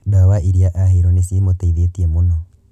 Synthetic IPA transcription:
dawaʔiɾiaʔahiɾonisimotaiðetiemunɔ

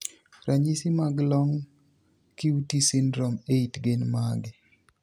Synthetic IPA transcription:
ɾʔaɲisimaɡlɔŋ | kiutisinɾɔmeitɡenmaɡɪ

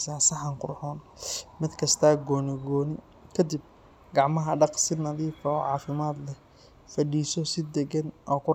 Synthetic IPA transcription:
saːsɐɦɐŋqʊrħɔːnmɪd̪kʰɐst̪ʰaːɡɔːnɪɡɔːnɪ | kʰɐd̪ɪb̚ | ɡɑʕmɐɦɐɖɑqsɪnɐðiːfɐɔːʕɑːfɪmaːd̪lɛ | fɐɖiːsɔsɪd̪ɛɡɛnʔɔːkʰʊ

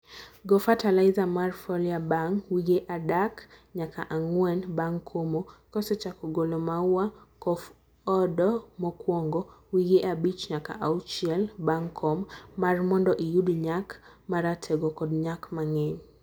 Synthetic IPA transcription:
ɡɔfatalajzamarfɔliabaŋwiɡeʔadakɲaka̰ʔaŋwɛnbaŋkʰomokɔsɔt͡ʃakuɡɔlɔmauakɔf | ɔdɔmɔkwɔŋɡɔwiɡeʔabit͡ʃɲaka̰ʔaut͡ʃiɛlbaŋkʰːɔmːarmɔndɔʔijudɲak | maɾatʰɛɡɔkɔdɲakmaŋɛɲ

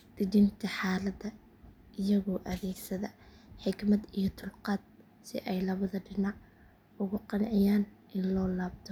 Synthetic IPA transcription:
d̪̥ɪdɪnt̪ʰɐħaːlɐd̪ɐ | ɪjɐɣɔːʔɐðɛːɡsɐðɐħɪɡmɐd̪ijɞt̪ʰʊlqɑːd̪̚ | sɪ̰ʔɛjlɐβɐðɐɖɪnɑʕ | ʊɣʊqɑnʕɪjaːn | ʔɪnlɔːlaːb̚t̪ʰɔ

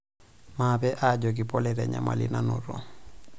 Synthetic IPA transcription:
mabɛʔaɟoɡ̬ipɔlɛɾɛɲa̰ma̰lḭnanoɾo̰

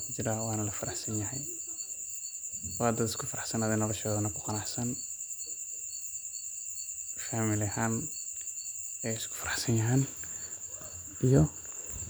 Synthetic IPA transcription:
kʰʊt͡ʃɪɾawɑːnɐlɐfɐɾɑħsɐnjɐɦɛj | wɑd̪ɐd̪ɪskʰʊfɐɾɑħsɐnaːðɛnɔlɔʃɔːðɐnɐkʰʊqɑnɑħsɐn | faːmɪlɪhaːn | ɛːɪskʰʊ̥fɐɾɑħsɐnjɐɦɛːn | ijɔ

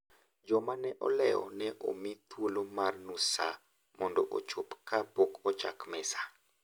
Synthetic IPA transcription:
d͡ʒɔmanɛʔɔ̰lɛɔ̰nɛʔo̰mit̪wolomarnusa̰ | mɔndɔʔo̰t͡ʃopkabokɔt͡ʃa̰kmɛsḁ

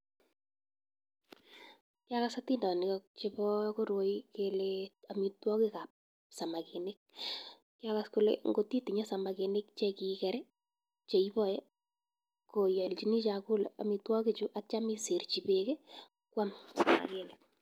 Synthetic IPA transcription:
kɪakasatindɔnɪkɔk̚t͡ʃɪbɔkoɾwoikeleamitwɔkɪkap̚ | samakenek̚ | kːɪakaskʊlḛŋɡotitiɲasamakenɪk̚t͡ʃɛkikɛɾɛ | t͡ʃeibɔjɛ | kojɛlt͡ʃinit͡ʃakʊlɛa̰mitwɔkit͡ʃuʔat͡ʃamɪsert͡ʃibeke | kwamsama̰kelɛk̚

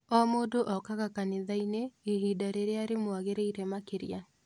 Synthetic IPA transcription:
ɔmodoʔɔkaɣakanɪðaineːɦidaɾeɾeaɾemwaɣeɾeiɾɛmakeɾija

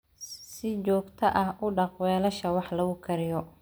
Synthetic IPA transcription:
sɪt͡ʃɔːɡt̪ʰɐʔɐɦʔʊɖɑqwɛːlɐʃɐwɑħlɐɣʊkʰɐɾɪjɔ

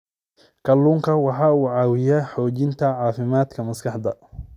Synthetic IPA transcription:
kʰɐlːuːŋkʰɐwɑħɑːuːʕɑːwɪjaːħɔːt͡ʃɪnt̪ʰɐʕɑːfɪmaːd̪kʰɐmɐskʰɑħd̪ɐ̰

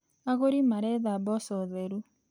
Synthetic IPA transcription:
aɣoɾimaɾɛðabɔsɔðɛɾu

